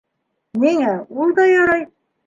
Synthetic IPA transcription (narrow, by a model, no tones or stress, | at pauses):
niŋæulˠd̪ɑjɒɾɑj